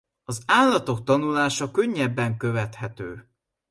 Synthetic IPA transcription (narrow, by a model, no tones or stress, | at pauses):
ɒzaːlːɒt̪o̞k̚t̪ɒnulaːʃɒkø̞ɲːɛbːɛŋkø̞vɛt̪hɛt̪øː